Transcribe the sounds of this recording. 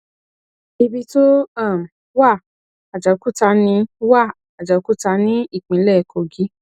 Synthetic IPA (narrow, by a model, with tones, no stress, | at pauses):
i˧bi˧to˦a˦˨m̩˨ | wa˦˨ | a˨d͡ʒa˨˧ku˦˨ta˧˦nĩ˦wa˦˨ | a˨d͡ʒa˨˧ku˦˨ta˧˦nĩ˦i˦˨k͡pĩ˨˦lɛ˦˨˧ko˧˨ɡi˨˦